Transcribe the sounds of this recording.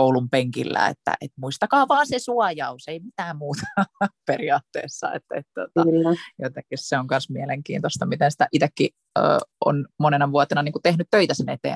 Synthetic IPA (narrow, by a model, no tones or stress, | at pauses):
koulumpeŋkḭlːæ̰ḛt̪ːæ̰ʔet̪muist̪ɑkɑːʋɑːnsesuɑjɑuseimit̪æːmmuːt̪ɑ̥periɑːt̪ːḛːsːɑ̰ḛt̪ːḛt̪t̪ot̪ɑyjot̪eŋkːisseoŋkɑnsmieleŋkḭːnt̪ost̪ɑmit̪ensi̥t̪æʔit̪ekːi | ə̰ːo̰nmonenɑʋuɑt̪enɑniːŋkut̪ehnyt̪t̪øit̪æsenet̪ḛː